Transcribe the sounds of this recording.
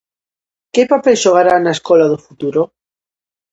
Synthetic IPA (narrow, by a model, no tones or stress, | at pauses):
kepapeʃoɣ̞aɾanaeskolaðofut̪uɾo